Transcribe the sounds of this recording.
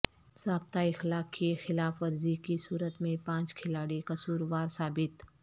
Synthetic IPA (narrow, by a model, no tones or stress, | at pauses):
saːb̚t̪aɪxlaːkːixɪlaːfʋɐɾzikisuːɾət̪mẽpãːt͡ʃkʰɪlaːɽikɐsuːɾʋaːɾsaːbɪt̪